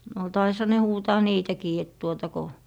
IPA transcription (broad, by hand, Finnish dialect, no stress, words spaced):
no tɑishɑ ne huːtɑː niːtækiː et tuotɑ ko